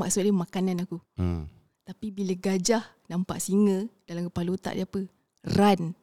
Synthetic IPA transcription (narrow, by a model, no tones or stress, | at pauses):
ma̰ʔsut̪̚damakananaku | t̪apibiləɡad͡ʒah | nampa̰ʔsiŋədalamkəpalut̪a̰ʔdiapə | ran